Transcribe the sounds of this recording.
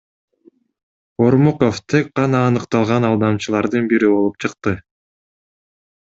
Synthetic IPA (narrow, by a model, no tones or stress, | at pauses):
o̞ɾmoqoft̪ʰe̞k̚qɑnɑːnɯqt̪ɑlˠʁɑnɑlˠd̪ɑmt͡ʃɯlˠɑɾd̪ɯnbiɾibo̞lˠup̚t͡ʃʰɯqt̪ɯ